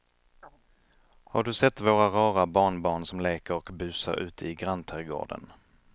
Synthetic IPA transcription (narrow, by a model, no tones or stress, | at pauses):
haɖɵsɛt̪ːvoːɾaɾɑːɾabɑːɳbɑːɳsɔmleːkəɾɔkbʉ̟ːsa̰ɾʉ̟̰ːt̪əɪɡɾant̪ʰæɾɡo̰ːɖə̰n